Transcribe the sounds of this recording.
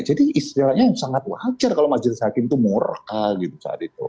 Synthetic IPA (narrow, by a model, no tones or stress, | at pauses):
d͡ʒadiist̪ilahɲajsaŋat̪wad͡ʒarkalomad͡ʒlɪshakɪmt̪umorkaɡit̪usa̰a̰t̪it̪ṵ